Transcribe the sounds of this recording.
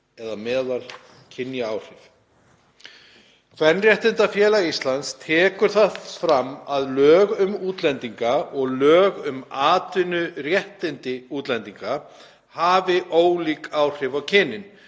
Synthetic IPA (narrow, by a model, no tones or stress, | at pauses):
ɛðamɛːðaɾ̥ | cʰɪnjaawr̥ɪv | kʰvɛnːrjɛht̪ɪnt̪afjɛːlaist̪lant̪st̪ʰɛːkʏɾ̥θaðfɾamːaðlœːɣʏmuːt̪lɛnt̪iŋkaɔɣlœːɣʏmaːt̪ʏnʏrjɛht̪ɪnt̪ɪuːt̪lɛnt̪iŋka | haːvɪʔoːwlikaːwr̥ɪvawcʰɪnːɪn